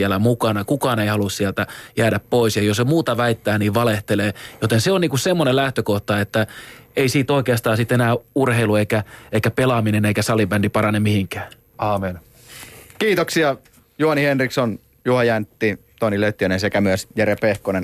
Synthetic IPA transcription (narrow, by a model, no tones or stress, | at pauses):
ælæmukɑnɑkukɑːneihɑlussiælt̪æjæːdæppoisjɑjosemuːt̪ɑʋæit̪ːæːniːʋʋɑleht̪eleːjot̪enseoniːŋkusemːonelæht̪økoht̪ɑet̪ːæeisiːt̪oikeɑst̪ɑːsit̪enæːurheilueikæeikæpelɑmineneikæsɑlibændipɑɾɑnemihiŋkæː | ɑːmen | kiːt̪oksiɑ | juhɑnihenrikson | juhɑjænt̪ːit̪oniløt̪ːiønensekæmyøsjærepehkonen